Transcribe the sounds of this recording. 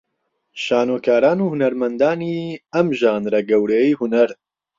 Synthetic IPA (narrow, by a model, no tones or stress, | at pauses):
ʃaːnoːkaːɾaːnuːhunɐɾmɐnd̪aːniːɐmʒaːnɾɐɡɐwɾeːihunɐɾ